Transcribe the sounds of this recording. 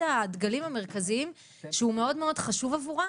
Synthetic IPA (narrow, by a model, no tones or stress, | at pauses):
ad̪ɡalimhame̞ʁ̞kaziim | ʃeume̞o̞dmeo̞dχaʃuvavuʁa